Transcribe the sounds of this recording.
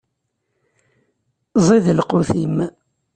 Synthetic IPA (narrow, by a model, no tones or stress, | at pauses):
zˤiðəlqʊθim